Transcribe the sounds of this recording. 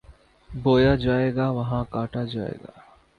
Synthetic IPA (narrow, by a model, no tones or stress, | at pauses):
boːjad͡ʒaːeːɡaːʋɐɦãkaːʈad͡ʒaːḛːɡa̰ː